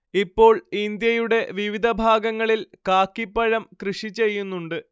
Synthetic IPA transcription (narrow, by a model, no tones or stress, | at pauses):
ipːo̞ːɭind̪jɐjuɽe̞ʋiʋid̪ʱɐbʱaːɡɐŋːɐɭilkaːkːipːɐɻɐmkrɨʂit͡ɕːe̞jːunːuɳɖɨ